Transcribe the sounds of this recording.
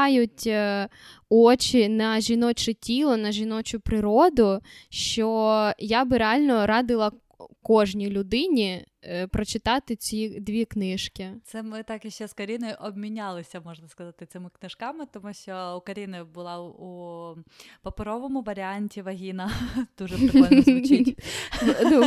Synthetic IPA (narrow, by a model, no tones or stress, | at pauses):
jʊtʲ | ɔt͡ʃinɐʒʲinɔt͡ʃʊtʲilˠɔnɐʒʲinɔt͡ʃʊpɾɪɾɔd̪ʊʃt͡ʃɔjabɪɾeɑlʲnɔɾɑd̪ɪlˠɐ | kɔʒnʲilʲʊd̪ɪnʲipɾɔt͡ʃɪt̪ɑt̪ɪt͡sʲid̪ʲʋʲiknɪʃkʲɪt̪sɛmɪt̪ɑkɪʃt͡ʃːɛskɔɾʲinɔjʔɔbmʲinʲalˠɪsʲɐmɔʒnɐskɐzɑt̪ɪt̪sɪmɪknɪʃkɑmɪt̪ɔmuʃt͡ʃɔukɐɾʲinɐbʊlˠɑu | pɐpɪɾɔʋɔmʊʋɐɾʲɪanʲtʲiʋɐɦʲinɐd̪̥uʒɛ